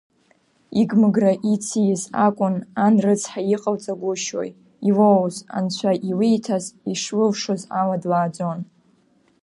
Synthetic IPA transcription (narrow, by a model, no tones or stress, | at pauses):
iɡmɨɡraʔit͡sʰijzakʷʼʊnanrɨt͡sʰħajiqʼəlt͡sʼaɡʷʊʃo̰j | ilowza̰nt͡ɕʷʰaʔilijtʰaziʂlɨlʂozaladwaːd͡zo̞n